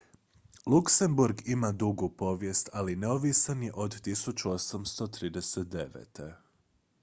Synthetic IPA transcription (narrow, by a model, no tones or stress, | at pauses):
lˠukse̞mbuɾɡimad̪uɡupo̞ʋje̞st̪alineoʋisanjeʔo̞d̪t̪isut͡ɕuo̞samst̪o̞t̪ɾiːd̪eset̪̚d̪e̞ʋḛːt̪e̞